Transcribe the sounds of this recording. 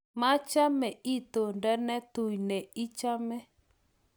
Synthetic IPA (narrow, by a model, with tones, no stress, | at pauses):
ma˦t͡ʃa˦mɛ˨i˦t̪o˨ndɛ˦nɛ˦tu˨i˨nɛ˨i˦t͡ʃa˦mɛ˦